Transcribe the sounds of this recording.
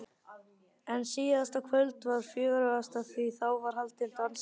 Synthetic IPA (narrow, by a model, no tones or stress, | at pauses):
ɛnsiːðast̪akʰvœlt̪vaɾ̥fjʏːɣɾʏɣast̪aθviθawvaɾ̥halt̪ɪnt̪ans